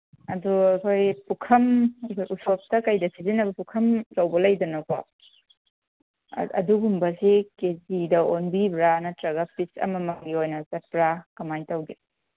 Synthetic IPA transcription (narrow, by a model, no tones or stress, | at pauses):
ɐduɐkʰojpukʰɐmɐkʰojʔusop̚tɐkɐjdɐsʰizinːɐbɐpukʰɐmlɐwbɐlɐjdɐnɐko̰ | ɐ̰duɡumbɐsekezidɐonbibɾanɐtɾɐɡɐpit͡ʃɐ̰mɐmɐɡiojnɐsɐt̚pɾakɐmajntɐwɡi